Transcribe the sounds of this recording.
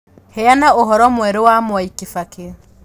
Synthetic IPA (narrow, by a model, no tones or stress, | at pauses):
hɛanaoɦɔɾɔmwɛɾewamwaikifake